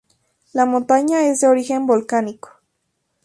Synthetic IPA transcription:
lamont̪aɲaezd̪eoɾixembolkaniko̥

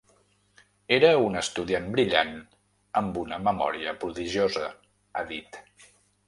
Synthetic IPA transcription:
eɾəunəst̪uðianbɾiʎan | əmbunəməmɔ̰ɾiəpɾuðiʒiozəː | ðit̪

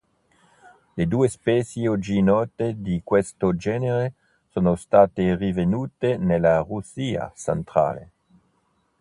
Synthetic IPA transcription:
led̪uːespɛːsjeod͡ʒinɔːt̪ed̪ikwest̪od͡ʒɛːneɾe | soːnost̪aːt̪erivenuːt̪enelːarusiːa̰sa̰nt̪ɾa̰ːlḛ

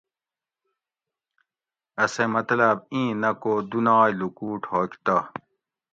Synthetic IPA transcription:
ɐsemɐt̪lɐbĩːnɐkoːd̪unaːjlukuːʈʰoːkt̪a

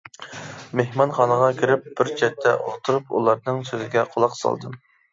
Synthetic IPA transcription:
mehmɑnχɑnəʁɑkʲʰiɾɪp̚b̥ɪɾt͡ʃʰɛt̪ʰːɛʔot̪ʰuɾupṵlˠɑɾnɨŋsøzɪɡʲɛqʰolˠɑqsɑ̰lˠd̪ɨ

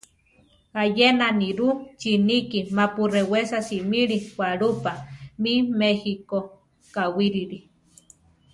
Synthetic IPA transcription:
hajenaniɾut͡ʃinikimapurewesasimiɾiwaɾupamimehiko | kawiɾiɾi

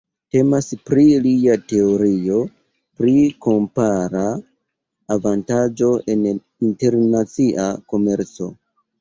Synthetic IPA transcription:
te̞maspɾiliate̞oɾio̞ | pɾiko̞mpaɾaː | vantad͡ʒo̞e̞n | inte̞ɾnat͡siʔako̞me̞ɾt͡so̞̰

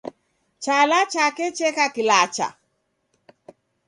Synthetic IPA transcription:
t͡ʃalat͡ʃakɛt͡ʃɛkakilat͡ʃa̰

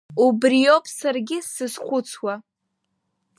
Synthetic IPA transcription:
ubrijopʰʼsarɡʲɪsɨsχʷʊt͡sʰwa

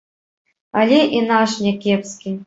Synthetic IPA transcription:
alʲɛʔinaʂnʲɛkʲepskʲi

